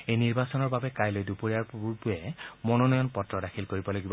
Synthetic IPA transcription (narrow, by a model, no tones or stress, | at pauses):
ejniɹbasɔnɔɹbabɛkajlojdupoɹiaɹbuɹpujɛmɔnɔnɔjɔnpɔtɹɔdakʰilkoɹibɔlaɡibɔ